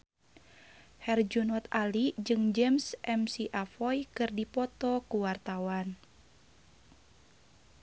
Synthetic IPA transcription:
hɛrd͡ʒunɔt̪alid͡ʒɨŋd͡ʒɛmsʔɛmsiʔafɔjkɨrdipɔt̪ɔkuwart̪awan

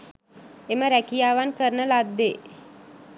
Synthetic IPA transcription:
eməɾækijaːʋankəɾnəlad̪ːe

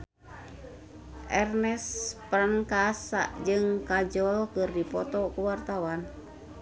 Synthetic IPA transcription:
ʔɛrnɛspɾaŋkasa̰ʔd͡ʒɨŋkad͡ʒɔlkɨrdipɔt̪ɔkuwart̪awan

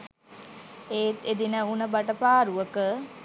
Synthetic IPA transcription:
eːt̪ed̪inəunəbaʈəpaːɾuəkə

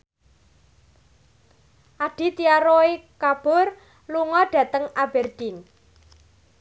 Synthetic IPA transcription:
ʔaɖ̥i̤t̪iaɾoekab̥ʊr | luŋɔɖ̥ä̤t̪əŋab̥ɛrd̪̥in

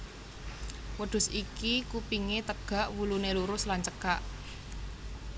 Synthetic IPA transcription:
wəɖ̪̥ʊ̤sikikupiŋet̪əɡ̥ä̤ʔwuluneluɾʊslant͡ʃəkaʔ

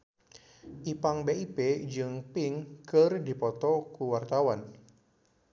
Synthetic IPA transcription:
ʔipaŋbeiped͡ʒɨŋpɪŋkɨrdipɔt̪ɔkuwart̪awan

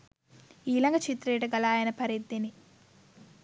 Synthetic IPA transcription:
iːlɐŋɡɐt͡ʃit̪ɾeːʈɐɡɐlaːjɐnɐpɐɾid̪ːini

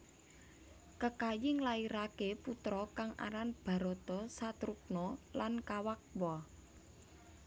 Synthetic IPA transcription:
kəkajɪŋlaiɾakeput̪ɾɔkaŋa̰ɾanb̥a̤ɾot̪ɔsat̪ɾuk̚nɔlankawak̚wɔ

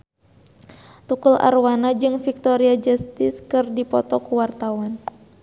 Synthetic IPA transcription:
t̪ukulʔa̰rwanad͡ʒɨŋfik̚t̪ɔɾiad͡ʒast̪ɪskɨrdipɔt̪ɔkuwart̪awan

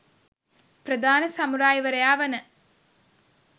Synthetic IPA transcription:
prɐd̪ʱaːnəsɐmuɾaːjiʋɐɾɐjaːʋɐnə

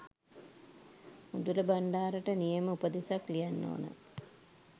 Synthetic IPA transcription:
mud̪uləbaɳɖaːɾəʈənijəməupəd̪esaklijanːo̰ːnə̰

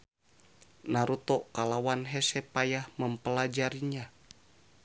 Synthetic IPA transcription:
naɾut̪ɔʔkalawanɦɛsɛpajahməmpəlad͡ʒaɾiɲa

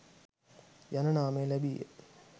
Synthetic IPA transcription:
janɐɳaːmejlæbijə̰

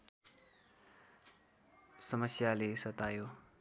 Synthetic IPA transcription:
səməsjaːleːsət̪aːjoː

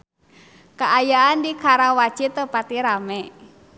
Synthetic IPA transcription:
kaʔajaːndikʰaɾawḁt͡ʃit̪əpat̪iɾamɛ

